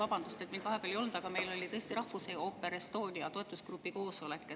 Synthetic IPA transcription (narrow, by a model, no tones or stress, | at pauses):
vɑb̥ɑnd̪̥ust̪et̪miŋɡ̥̪vɑɦe̞peleo̞lnd̪̥ɑɡ̥ɑme̞jlo̞lʲit̪ɤ̞est̪iɾɑhvuseopːˑe̞ɾest̪o̞ːnʲiɑt̪o̞e̞t̪ːˑuskrupːˑiko̞ːsolekːˑe